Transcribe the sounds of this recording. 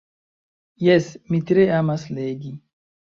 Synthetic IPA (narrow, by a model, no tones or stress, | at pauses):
jɛsmit̪ɾeamasleɡi